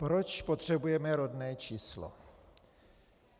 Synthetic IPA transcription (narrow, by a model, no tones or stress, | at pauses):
pɾot͡ʃpot̪r̝̥ɛbujɛmɛɾod̪nɛːt͡ʃiːslo̰